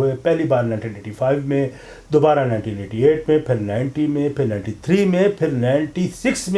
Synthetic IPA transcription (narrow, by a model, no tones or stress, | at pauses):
epɛɦlibaːɾnaɪ̃ɳʈiːneːʈifʰaːɪʋmẽ | d̪obaːɾanaɪɳʈiːneːʈieːʈmẽpʰɪɾnaːɪɳʈimẽpʰɪɾnaɪ̃ɳʈit̪ʰɾiːmẽpʰɪɾnaɪɳʈisɪksmẽ